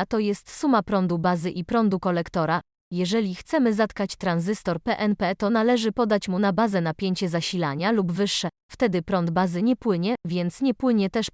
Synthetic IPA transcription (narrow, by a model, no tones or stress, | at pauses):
t̪ɔjɛst̪sumapɾɔnd̪ubazɘʔipɾɔnd̪ukɔlɛkt̪ɔɾa | jɛʐɛlʲixt̪sɛmɘzat̪kat͡ɕt̪ɾanzɘst̪ɔɾpɛʔɛnpɛt̪ɔnalɛʐɘpɔd̪at͡ɕmunabazɛnapʲjeɲt͡ɕɛzaɕilaɲalubvɘʂːɛ | ft̪ɛd̪ɘpɾɔnd̪bazɘɲɛpwɘɲɛvʲjɛnt̪sɲɛpwɘɲɛt̪ɛʂ